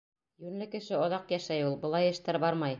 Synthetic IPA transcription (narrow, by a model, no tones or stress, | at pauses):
jʉɾlɘkɘ̆ʃɘɑðɑqjæʃæjulˠbɤ̆lˠɑjɘ̆ʃt̪æɾbɑɾmɑj